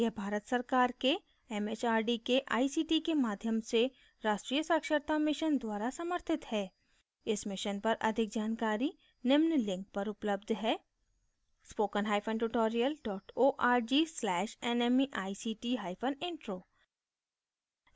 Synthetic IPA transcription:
ɛbʱaːɾət̪sɐɾkaːɾke | ɛmeːt͡ʃaːɾɖikeʔaːisiːʈikemaːd̪ʱjəmse | ɾaːʃʈɾijəsaːkʃəɾt̪amɪʃənd̪waːɾasɐməɾt̪ʰɪt̪hɛː | ɪsmɪʃənpɐɾʔɐ̰d̪ʱɪkd͡ʒaːnkaːɾi | nɪmnlɪ̃ŋk̚pɐɾʊpləbd̪ʱɦɛː | spoːkənɦaːɪpʰə̃nʈuʈoːɾijəlɖɔːʈoːʔaːɾd͡ʒiːslɛːʃɛːnemiʔaːisiːʈiɦaːɪfʰənɪ̃ɳʈɾoː

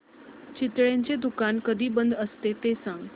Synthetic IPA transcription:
t͡ɕɪt̪ɭjãɲt͡ɕed̪ukankəd̪ʱiːbənd̪əst̪et̪esãŋɡ

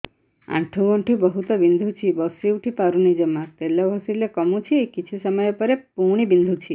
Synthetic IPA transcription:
ã̰ʈʰũɡɔ̃ɳʈʰibəɦut̪ɔbind̪ʱut͡ʃʰibɔsiuʈʰipaɾunid͡ʒəmat̪elɔʋʱɔsilekɔmũt͡ʃʰiekit͡ʃʰusəməjɔpəɾepuɽ̃ibind̪ʱut͡ʃʰi

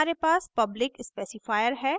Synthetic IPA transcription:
aːɾepaːspɐblɪkɪspɛːsɪfaːjəɾɦɛː

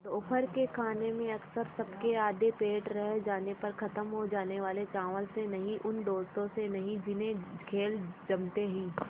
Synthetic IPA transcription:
t̪oʊpʰəɾkekʰaːnemẽɐksəɾsɐbkeaːd̪epeːʈɾɛɦd͡ʒaːnepɐɾkɐt̪əmɦod͡ʒaːneʋaːlet͡ʃaːʋəlsenɐɦĩʔʊnɖoːst̪õsenɐɦĩd͡ʒɪnẽkʰeːld͡ʒɐmt̪eɦĩː

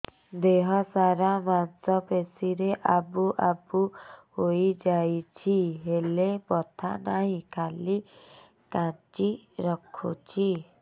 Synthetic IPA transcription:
d̪eɦɔsaɾamansɔpesiɾeʔabuʔabuhojd͡ʒajt͡ʃʰiɦelebɔt̪ʰa̰naɦĩkali | kãt͡ʃiɾɔkʰut͡ʃʰi

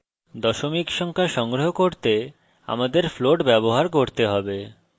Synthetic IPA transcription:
d̪ɔʃomikʃɔŋkʰaʃɔŋɡɾoɦokoɾt̪e | a̰mad̪eɾfloʈbɛboɦaɾkoɾt̪eɦɔbe

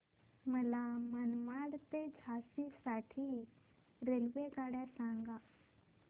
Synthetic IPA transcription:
məlamənmaɽt̪ed͡zʱasisaʈʰiː | ɾelʋekaɽjasãŋɡa

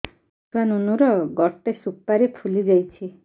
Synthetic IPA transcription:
t̪uanunuɾɔɡɔʈesupːaɾepʰulid͡ʒajt͡ʃʰi

